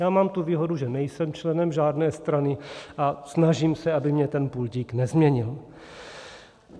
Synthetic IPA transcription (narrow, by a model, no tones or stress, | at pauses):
jaːmaːmt̪uviːɦo̞duʒɛnɛjsɛmt͡ʃlɛnɛmʒaːdnɛːst̪ɾanɪʔasnaʒiːmsɛabɪmɲɛt̪ɛnpulɟiːknɛzmɲɛɲɪl